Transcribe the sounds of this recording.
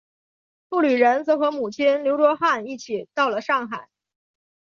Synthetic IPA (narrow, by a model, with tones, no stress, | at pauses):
fu˥˩ly˨˩ɻə˧˥nt͡sɤ˧˥xɤ˧˥mu˨˩t͡ɕʰi˥nljo˧˥ʊʈ͡ʂwɔ˥xa˥˧ni˥˩t͡ɕʰi˨˩˦t̪ɑ˥˩ʊlə˩ʂɑ˥˩ŋxa˨˩˦ɪ